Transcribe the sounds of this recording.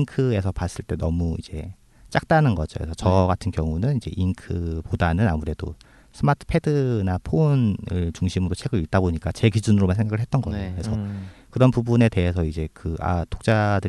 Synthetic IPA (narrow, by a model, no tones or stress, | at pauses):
ŋkʰɯe̞sʰʌpas͈ɯɭt͈e̞nʌmuḭd͡ʑe̞ | t͡ɕ͈ak̚t͈anɯnɡʌd͡ʑo̰kesʰʌt͡ɕʌɡatʰɯnkjʌŋunɯnid͡ʑe̞̰ʔinkʰɯpodanɯnamuɾe̞do̰ | sʰɯmatʰɯ̥pʰe̞dɯnapʰonɯɭt͡ɕuŋɕʰimɯɾot͡ɕʰe̞ɡɯit̚t͈aboɲik͈at͡ɕe̞ɡid͡ʑunɯɾomansʰeŋɡaɡɯɭɦet͈̚ʌnɡʌkesʰʌkɯɾʌnpubune̞te̞ɦe̞sʰʌid͡ʑe̞kɯa̰to̥k̚t͡ɕ͈adɯɾ